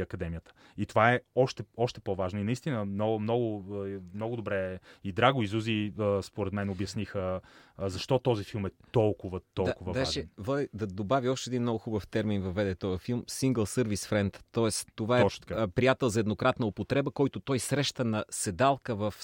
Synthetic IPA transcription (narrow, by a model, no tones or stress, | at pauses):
ɐkɐd̪ɛmijət̪ə̥ | it̪ovaɛɔʃt̪ɛɔʃt̪ɛ̥pɔvaʒnoinɐist̪inəmnɔɡmnɔɡʊmnɔɡʊd̪obɾɛid̪ɾaɡʊizuziəspoɾɛt̪mɛnobjɐsnixəzɐʃt̪ɔt̪ɔzifilˠmɛt̪ɔlˠkʊvət̪ɔlakʊvəd̪aaʒʃɛvəd̪ɐd̪obaviɔʃt̪ɛːd̪inmnɔɡʊxubəft̪ɛɾminvɐvːɛd̪ɛt̪ɔjəfilˠmsiŋɡəlˠsɤɾvisfɾɛnt̪ːɔɛst̪ːovaɛʃt̪kapɾijat̪ɛlˠzɐɛd̪nokɾat̪nəopot̪ɾɛbəkɔjt̪ʊt̪ɔjsɾɛʃt̪ənɐsɛd̪alˠkəvɐf